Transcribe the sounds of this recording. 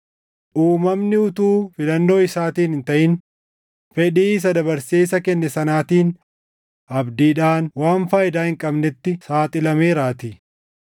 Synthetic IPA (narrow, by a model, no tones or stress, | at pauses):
ʔuːmɐmnɪʊt̪uːfɪlɐnːo̞ːɪsaːt̪iːnɪnt̪ɐʔɪn | fɛᶑiːs̬ɐd̪ɐbɐɾseːsɐkɛnːɛsɐnaːt̪iːn | ʔɐbd̪iːᶑaːnwaːnfaːjɪd̪aːhɪŋkʼɐbnɛt̪ːɪsaːt̪ʼɪlɐmeːɾaːt̪i